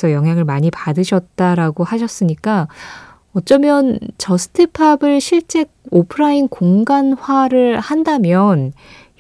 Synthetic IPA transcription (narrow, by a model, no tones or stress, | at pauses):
sʰʌjʌŋɦjaŋɯɭmaɲipadɯɕʰʌt̚t͈aɾaɡohaɕʰʌs͈ɯɲik͈a | ʌt͡ɕ͈ʌmjʌnt͡ɕʌsʰɯ̥tʰɯpʰabɯɭɕʰiɭt͡ɕ͈e̞ɡ̚opʰɯɾainkoŋɡanɸwaɾɯɭhandamjʌn